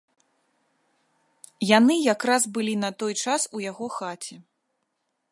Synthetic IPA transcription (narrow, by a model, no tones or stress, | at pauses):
janɨjakɾazbɨlʲinɐt̪ɔjt͡ʂasujaɣɔxat͡sʲɛ